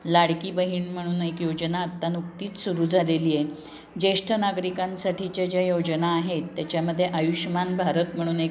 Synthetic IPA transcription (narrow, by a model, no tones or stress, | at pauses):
laɽkiːbəɦiːɳm̤əɽ̃uːnekjod͡ʑnaət̪ːanukt̪iːt͡s̪suɾuːd͡zʱalelije | d͡ʑeʂʈʰənaɡɾikãnsaʈʰit͡ɕjad͡ʑjajod͡ʑnaːɦet̪ːjat͡ɕjaməd̪ʱːjeʔajuɕmanbʱaɾət̪m̤əɽ̃uːnek